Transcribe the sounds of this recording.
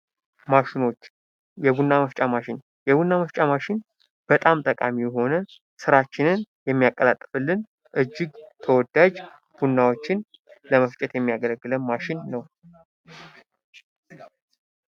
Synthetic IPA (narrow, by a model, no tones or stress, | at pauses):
maʃɪno̞t͡ʃː | jɛbunːaməft͡ʃʼamaʃɪn | jɛbunːaməft͡ʃʼamaʃɪn | b̥ət̪ʼamt̪ʼəkʼamijɛɦo̞nə | sɨɾat͡ʃːɪnɨnjɛmːijakʼːəlat̪ʼːɨfɨlːɨn | ʔɨd͡ʒːɪɡt̪ʰəwɔd̪ːad͡ʒ | b̥unːawo̞t͡ʃːɪn | ləməft͡ʃʼɛt̪jɛmːijaɡələɡːɨlənmaʃɪnːəw